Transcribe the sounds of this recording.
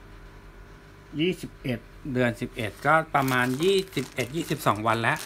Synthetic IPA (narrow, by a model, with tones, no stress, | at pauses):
jiː˥˩si˨˩p̚ʔe˨˩t̪̚dɯ˧ənsi˨˩p̚ʔe˨˩t̪̚kɔː˥˩pɾa˧maː˧njiː˥˩si˨˩p̚ʔe˨˩t̪̚jiː˥˩si˨˩p̚sɔː˩˦ŋwa˧nlɛ˦˥ʔ